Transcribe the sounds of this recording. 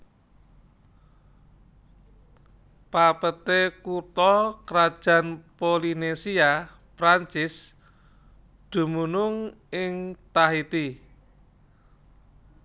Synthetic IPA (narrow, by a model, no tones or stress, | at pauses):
papət̪ekut̪ɔkɾad̥ʒ̥ä̤npolinesia | pɾaɲt͡ʃɪs | d̪̥ṳmunʊŋ | ɪŋt̪aɦit̪i